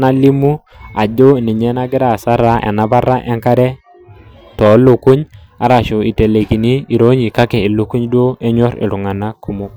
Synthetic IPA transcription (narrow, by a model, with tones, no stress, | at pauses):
na˦li˦mu˦ | a˨d͡ʒo˦˨ni˨ɲɛ˦na˦ɡɪ˦ɾa˨sa˦ɾa˦ʔḛ˨na˦ba˦ɾa̰˦ʔe˦ŋka˦ɾɛ˦ | tɔ˨˦lo˨ku˦ɲ | a̰˨ɾa˨ʃu˨i˨te˨le˨ki˨niː˦˨ɾo˦ɲi˨ka˦kɛ˨i˨lu˦ku˦ɲdo˦e˦ɲɔ˦ɾḭ˨lu˨ŋa˨na˦ku˨mu˦k̚